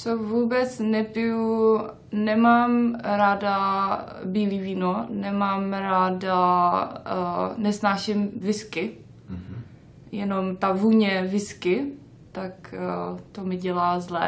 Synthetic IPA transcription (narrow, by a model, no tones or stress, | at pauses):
t͡sovuːbɛt͡snɛpɪju | nɛmaːmɾaːda | biːliːviːnonɛmaːmɾaːda | nɛsnaːʃɪmvɪskɪ | jɛnomt̪avuːɲɛvɪskɪ | t̪akt̪omɪɟɛlaːzlɛ̰